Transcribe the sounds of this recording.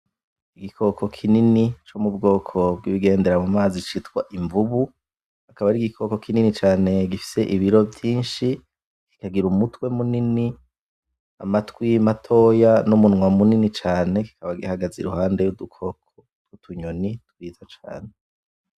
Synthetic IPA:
iɡikʰo̞kʰo̞kʰininit͡ʃomubɡo̞ːkʰo̞bɡiβiɡe̞ːnde̞ɾamumaːzit͡ʃitwa̰ʔiɱvuβu | hakaβaɾiɡikʰo̞ko̞kʰininit͡ʃaːne̞ɡifi̥se̞ʔiβiɾo̞vjiːnʃi | ki̥kaɡiɾumutwe̞munini | a̰matwimatʰo̞janomunŋwamuninit͡ʃaːne̞ki̥kʰaβaɡihaɡaziɾṵhaːnde̞judukʰo̞k̚ʰo̥ | tɡutʰuɲonituɾiːzat͡ʃa̰ːne

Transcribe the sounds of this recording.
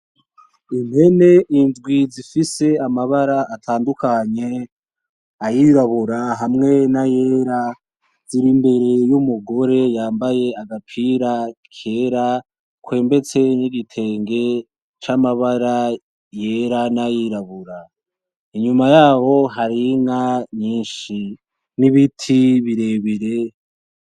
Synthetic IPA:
in̥he̞ne̞ʔindɡwizifise̞amaβaɾaːtʰaːndukʰaɲe̞ | ajiɾaβuɾaɦamŋe̞naje̞ɾa | ziɾimbe̞ɾe̞jumuɡo̞ɾe̞jaːmbaje̞aɡapʰiɾakʰe̞ɾa | kwe̞ːmbe̞t͡se̞niɡitʰe̞ːŋɡe̞ | t͡ʃamaβaɾa | je̞ɾanajiɾaβuɾa | iɲumajaːβo̞ɦaɾiŋaɲiːnʃi | niβitʰiβiɾe̞βiɾe̞

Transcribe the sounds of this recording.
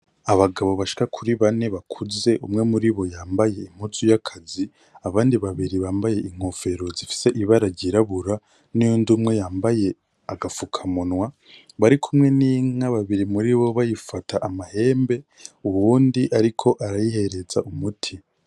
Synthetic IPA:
aβaɡaβo̞βaʃi̥kakʰuɾiβane̞βakʰuze̞ʔumŋe̞muɾiβo̞jaːmbaje̞im̥ut͡sujakʰazi | aβaːndiβaβiɾiβaːmbaje̞ʔiŋ̥ofe̞ɾo̞zifi̥se̞ʔiβaɾaɟiɾaβuɾa | nujundumŋe̞jaːmbaje̞ | aɡafukʰamunwa | βaɾikʰumŋe̞niːŋaβaβiɾimuɾiβo̞βajifataʔːmahe̞ːmbe̞uβuːndiʔaɾikʰo̞ʔaɾajihe̞ɾe̞zaʔumutʰi

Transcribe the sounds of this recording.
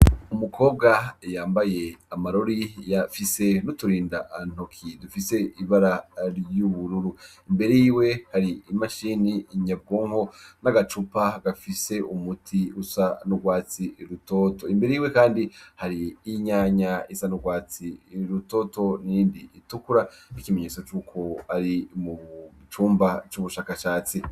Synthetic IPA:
umukʰo̞ːb̚ɡajaːmbaje̞amaɾoɾijafise̞nutuɾiːndaʔan̥okʰidufise̞iβaɾaɾjuβuɾuɾu | imbe̞ɾejiwe̞haɾiːmaʃiniːɲab̚ɡoːŋho̞naɡat͡ʃupaɡafise̞umutʰiusanuɡwaːt͡siɾuto̞to̞imbe̞ɾejiwe̞kaːndihaɾiːɲaːɲaisanuɡwaːt͡siɾuto̞ːto̞nijiːndiːtukuɾanikimeɲe̞ːt͡so̞t͡ʃuːkʰo̞aɾimu | t͡ʃuːmbat͡ʃuβuʃaːkaʃaːt͡si

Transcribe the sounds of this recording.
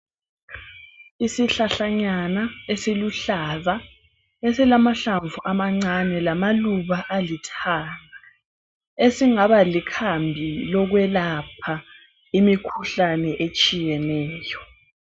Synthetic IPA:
isiɬaɬaɲanaesiluɬaːβa | esilamaɬaɱvuʔamaŋ͡ǀanɛlamaluβaʔalitʰaːŋa | esiŋaβalikʰambʱilɔɣwɛlapʰa | imikʰuɬanɛʔet͡ʃʼijɛnɛːjɔ

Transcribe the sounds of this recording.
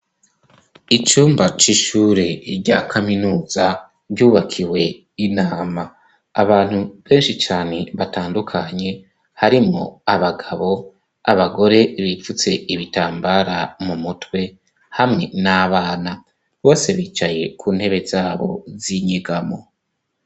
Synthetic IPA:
it͡ʃuːmbat͡ʃiʃuːɾeɾɟakʰaminuːz̥a | βɟuːβakʰiwe̞ | inaːmaː | βaːn̥huβe̞ːnʃit͡ʃaːne̞βataːndukʰaɲe̞ | haɾimŋo̰aβaɡaβo̞ | a̰βaɡo̞ɾe̞βifut͡se̞iβitaːmbaɾamumutwe̞ | hamŋe̞naβaːna | βo̞ːse̞βiːt͡ʃaje̞kʰuːn̥he̞βe̞zaːβo̞̰ziɲeɡamo̞̰

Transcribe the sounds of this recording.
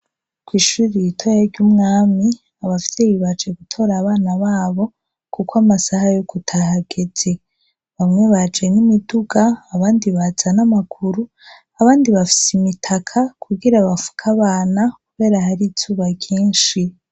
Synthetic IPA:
kwiːʃuɾijitʰojaɾɟumŋaːmi | aβafi̥seβiβad͡ʒe̞ɡutʰo̞ːɾaβaːnaβaːβo̞ | kukwamasahajoɡ̥utʰaɦaɡ̥e̞z̥e̞ | βamŋe̞βad͡ʒe̞nimiduɡaːβaːndiβaz̥anamakʰuɾu | aβaːndiβafi̥simitʰakʰakʰuɡiɾaβafu̥kʰaβaːnakuβe̞ːɾahaɾit͡suːβaɟiːnʃi

